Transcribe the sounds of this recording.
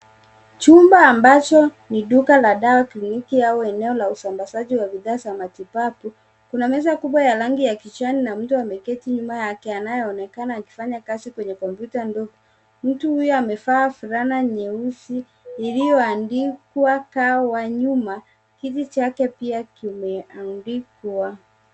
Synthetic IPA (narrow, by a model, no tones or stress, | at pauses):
t͡ʃumbaːmbat͡ʃɔ | niɗukalaɗawaklinikiaɔɛnɛɔlausambasaʄiwaɓiðaːsamatipapu | kunamɛzakuɓwajalaŋɡijakit͡ʃaninam̩tuamɛkɛtiɲumajakɛanajɔɔnɛkanaːki̥faɲakazikwɛɲɛkɔmpjutandɔɡɔ | m̩tuhujɔamɛfaːfuɾanaɲɛusiː | lijɔandikwakawaɲuma | kitit͡ʃakɛpiakimɛandikwa